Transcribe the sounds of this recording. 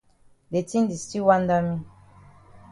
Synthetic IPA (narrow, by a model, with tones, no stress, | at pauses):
de˨ti˦n˦di˨sti˦wa˦n˦da˦mĩ˦